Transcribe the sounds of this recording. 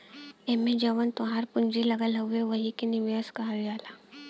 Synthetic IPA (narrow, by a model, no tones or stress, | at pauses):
emẽd͡ʒɐʋənt̪ʊɦaɾpʊɲd͡ʒilɐɡəlɦueʋɐɦikiniʋjəskaɦɐɾijaːlaː